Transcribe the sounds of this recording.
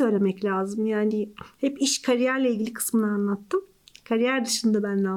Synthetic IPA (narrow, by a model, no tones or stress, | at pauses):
ø̞jlʲe̞mɛclʲaːzɯmjaːnɪhɛpiʃkʰaɾijæɾlʲeilʲɟilʲikʰɯ̥smɯnaanlˠat̪ːɯm | kʰaɾijæɾd̪ɯʃɯnd̪abænla